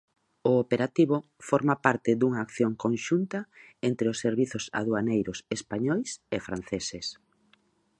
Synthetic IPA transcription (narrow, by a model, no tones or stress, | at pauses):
ʊːpeɾat̪iβo | foɾmapaɾt̪ɪd̪uŋaːkθjoŋkõŋʃunt̪aent̪ɾeʊsːeɾβiθʊsa̰ðwanejɾʊsespaɲojsefɾan̟θeses